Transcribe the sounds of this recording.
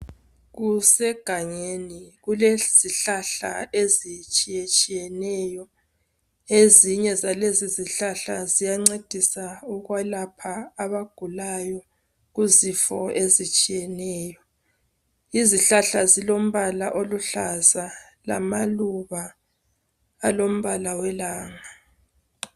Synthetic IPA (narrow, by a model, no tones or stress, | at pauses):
ɣusɛɡ̥ʱaŋeniɣulez̥iɬaɬa̰ezit͡ʃʼijet͡ʃʼijɛnɛjɔ | eziɲɛzaleziziɬaɬazijaŋ͡ǀed̥ʱisauɣwalapʰaːβaɡ̥ʱulajɔ | ɣuzifɔezit͡ʃʼijɛnɛːjɔ | iziɬaɬazilom̩βalaʔoluɬaza | la̰maluβa | lom̩βalawɛlaːŋa